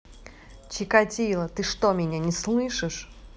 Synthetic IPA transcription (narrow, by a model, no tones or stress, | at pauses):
t͡ɕɪkɐtʲilˠət̪ɨʂt̪omʲɪnʲanʲɪslˠɨʂɨʂ